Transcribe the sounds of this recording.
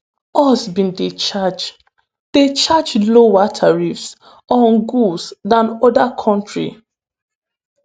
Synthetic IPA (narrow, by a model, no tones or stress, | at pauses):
ɔsbĩndet͡ʃad͡ʒ | d̥et͡ʃad͡ʒlowatʰaɹifs | ɔnɡusdãnɔdakʰɔ̃ntɹḭ